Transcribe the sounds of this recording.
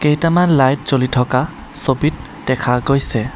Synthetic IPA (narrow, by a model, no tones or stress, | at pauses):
keɦtamanlajt̚zolitʰɔka | sobit̚ː | ɛkʰaɡojsɛ